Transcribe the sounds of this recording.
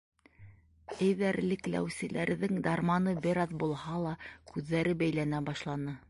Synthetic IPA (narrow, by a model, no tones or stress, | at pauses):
ɘ̆jðæɾlɘklæ̰wsɘ̆lʔæ̰ɾðɘŋd̪ɑɾmɑnɤbɘ̆ɾɑðbulˠhɑlˠɑkʉðːæɾɘbæjlænæbɑʃlˠɑnɤ